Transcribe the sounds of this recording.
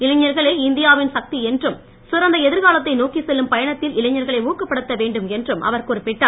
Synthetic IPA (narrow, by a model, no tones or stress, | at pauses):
ɪlɐɲːɐɾɣɐɭɐɪɪnd̪ɪjaːʋɪnsɐk̚t̪iɛndrɯm | sʊɾɐnd̪ɐɛðɪɾɣaːlɐt̪ːɐɪnoːkisɛlːɯmpɐjɐɳɐt̪ːɪlɪlɐɲːɐɾɣɐɭɐɪuːkːɐpːɐɽɯt̪ːɐʋeːɳɖɯmɛndrɯmʔɐ̰ʋɐrkɔɾɯpːɪʈːaː